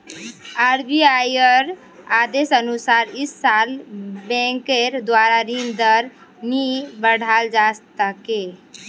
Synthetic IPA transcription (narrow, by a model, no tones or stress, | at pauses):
aːɾbiajəɾ | aːd̪eːsənʊsaːɾɪsːaːlbɛ̃ːŋkeɾd̪waːɾaɾĩnd̪əɾnibəɽ̤ʱaːld͡ʒaːst̪ake